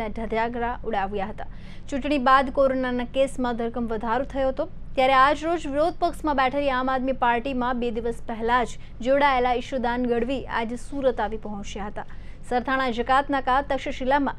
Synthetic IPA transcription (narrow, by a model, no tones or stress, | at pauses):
adʱəd̪ʱjaɡɾauɽaʋjaɦət̪a | t͡ʃũʈɳ̃ibad̪koɾonanakesmãd̪ʱəɾkəmʋəd̪ʱaɾot̪ʰəjoɦət̪o | t̪jaɾead͡ʒɾod͡ʒʋɪɾod̪̚ʱpəksmãbɛʈʰəɾiamad̪mipaɾʈimãbed̪iʋəspɛɦɛlad͡ʒ | d͡ʒoɽaelaɪʃud̪anɡəɽʋia̰d͡ʒsuɾət̪aʋipəɦɔ̃t͡ʃjaɦət̪a | səɾt̪ʰaɽ̃ad͡ʒəkat̪nakat̪əkʃəʃilamã̰